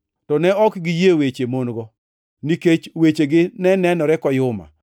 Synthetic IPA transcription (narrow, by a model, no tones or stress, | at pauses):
tɔnɛɔkɡijewet͡ʃemonɡɔ | niket͡ʃwet͡ʃeɡɪnɛnɛnɔɾɛkɔjʊma̰